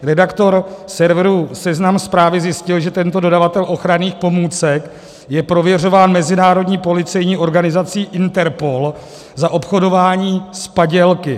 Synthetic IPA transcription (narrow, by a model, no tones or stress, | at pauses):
ɾɛdakt̪o̞ɾsɛɾvɾusɛznamspɾaːvɪzjɪscɪlʒɛt̪ɛnt̪o̞do̞davat̪ɛlʔo̞xɾaniːxpo̞muːt͡sɛk | jɛpɾo̞vjɛr̝o̞vaːnmɛzɪnaːɾo̞dɲiːpo̞lɪt͡sɛjɲiːʔo̞ɾɡanɪzat͡siːʔɪnt̪ɛɾpo̞l | zaʔo̞pxo̞do̞vaːɲiːspaɟɛlkɪ